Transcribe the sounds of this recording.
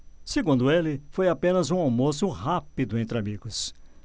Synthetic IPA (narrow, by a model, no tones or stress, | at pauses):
seɡũnd̪ʊelɪfojapẽnɐzũawmosʊɦapid̪ʊẽnt̪ɾɪamiɡʊs